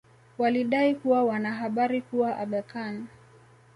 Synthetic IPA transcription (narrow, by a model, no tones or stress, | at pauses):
waliɗaikuwawanaɦaɓaɾikuwaʔaɓakan